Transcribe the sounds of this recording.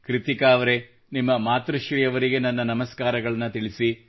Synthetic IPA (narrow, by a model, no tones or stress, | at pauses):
kɾit̪ikaːʋɐɾe̞ | nimːɐmaːt̪ɾɐʃɾijɐʋɐɾiɡe̞nɐnːɐnɐmɐskaːɾɐɡɐɭɐnːɐt̪iɭisi